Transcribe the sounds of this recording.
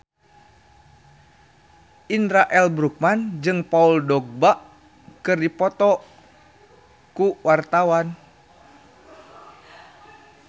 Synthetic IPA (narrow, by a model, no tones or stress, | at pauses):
ʔinɾaʔɛlbɾuk̚mand͡ʒɨŋpauldɔɡ̚baʔ | kɨrdipɔt̪ɔ | kuwart̪awan